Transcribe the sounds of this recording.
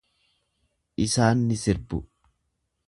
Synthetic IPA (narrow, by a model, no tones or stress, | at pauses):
ʔɪsaːnːɪsɪɾbʊ̰